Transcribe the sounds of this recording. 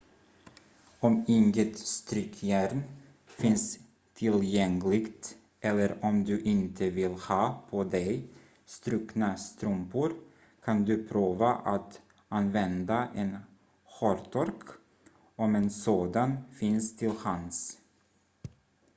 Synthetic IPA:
ɔmɪŋɡət̪st̪ɾʏkʰjæɾn | fɪns | t̪ʰɪljɛŋlɪɡt̪ | ʔɛlːəɾɔmd̪ɵʔɪnt̪ʰəvɪlhɑːpʰɔd̪ɛj | st̪ɾʉknast̪ɾɵmpʊɾ | kʰand̪ɵpʰɾuːvaʔat̪ | anvɛnd̪aʔɛn | ɧɔɾt̪ʰɔɾk | ɔmɛnsoːd̪anfɪnst̪ʰɪlhans

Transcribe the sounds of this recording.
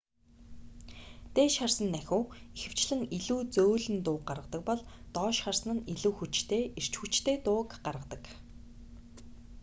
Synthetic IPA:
t̪eːʃχarsə̆nːæxʲuːixɘ̆w̥t͡ɕɮɘ̆ŋiɮuːt͡soːɮɘ̆nt̪ʊːk̚ɢaɾʁə̆t̪ə̆k̚pɔɮt̪ɔːʃχarsnə̆niɮuːxut͡ɕt̪ʰeːir̥t͡ɕxut͡ɕt̪ʰeːt̪ʊːkɢarʁə̆t̪ə̆k

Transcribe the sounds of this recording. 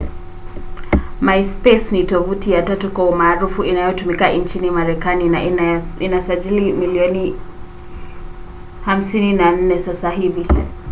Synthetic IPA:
majspɛsnitɔvutijatatukwaumaːɾufuinajɔtumikaʔint͡ʃinimaɾɛkaninainasaʄilimiliɔni | ham̩sininan̩nɛsasaɦivi

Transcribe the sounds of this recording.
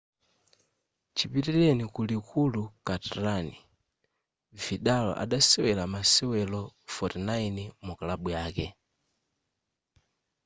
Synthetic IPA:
t͡ʃipitilɛnikulikʰulukataɾani | viɗalɔ̰ʔa̰ɗasɛwɛlamasɛwɛlɔfɔtinainimukalaɓujaːkɛ

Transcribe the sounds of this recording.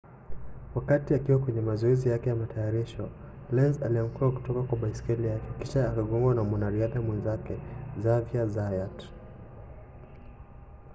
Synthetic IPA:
wakatiakiwakwɛɲɛmazɔɛzijakɛjamatʰajaɾiʃɔ | lɛnzaliam̩kuɾaku̥tɔkakwaɓaiskɛlijakɛkiʃaːkaɠɔmbwanamwanaɾiaðamwɛnzakɛzaviazajat

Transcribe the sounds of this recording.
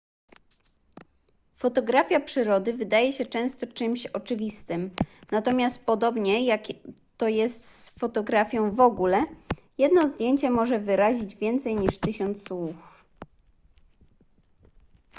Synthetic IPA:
fɔt̪ɔɡɾafʲjapʂɘɾɔd̪ɘvɘd̪ajɛɕɛt͡ʂɛ̃w̃st̪ɔt͡ʂɘmɕɔt͡ʂɘvʲist̪ɘmnat̪ɔmʲjast̪̚pɔd̪ɔbɲɛjak | t̪ːɔjɛst̪sfɔt̪ɔɡɾafʲjɔ̃w̃vɔɡulɛjɛd̪nɔzd̪ʲjeɲt͡ɕɛmɔʐɛvɘɾaʑid͡ʑvʲjɛnt̪sɛjɲiʂt̪ɘɕɔnt̪swuf

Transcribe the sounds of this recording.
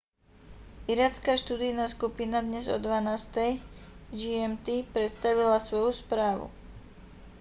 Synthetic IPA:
iɾat͡skaːʃt̪uːd̪ijnaːskupinad̪ɲɛzɔ̰d̪ʋanaːst̪ɛjd͡ʒiɛmt̪ipɾɛt̪st̪aʋilasʋɔjuspɾaːʋṵ

